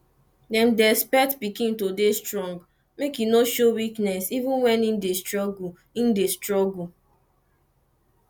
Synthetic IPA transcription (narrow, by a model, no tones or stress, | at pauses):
dɛ̃ndɛspɛtbikĩntodestɹɔ̃ŋɡ | mekjunoʃowiknɛsivũnwɛnin̩destɹɔɡu | in̩destɹɔɡu